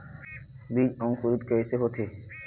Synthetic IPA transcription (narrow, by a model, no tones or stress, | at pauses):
bid͡ʑɔŋkuɾit̪keeseɦot̪ʰe